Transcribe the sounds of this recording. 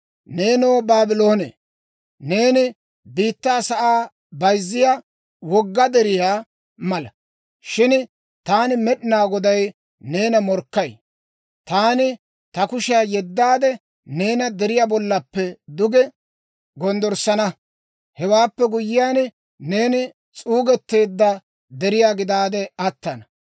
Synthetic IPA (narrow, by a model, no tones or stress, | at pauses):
ne̞ːnoːbaːbɪlo̞ːnḛ | ne̞ːnɪ | biːt̪ːaːsɐʔaː | bɐjzːɪja | wɔɡːɐd̪ɛɾɪjaː | mɐlɐ | ʃɪn | t̪aːnɪmɛɗɪnaːɡɔd̪ɐj | ne̞ːnɐmɔɾkːɐj | t̪aːnɪ | t̪ɐkʊʃɪaːjɛd̪ːaːd̪ɛ | ne̞ːnɐd̪ɛɾɪjaːbɔlːɐpːɛd̪ʊɡɛ | ɡɔnd̪ɔɾsɐnɐ | hɛwaːpːɛɡʊjːɪjaːn | ne̞ːnɪ | t͡sʼuːɡɛt̪ːe̞ːd̪ːɐ | d̪ɛɾɪjaːɡɪd̪aːd̪ɛɐt̪ːɐnɐ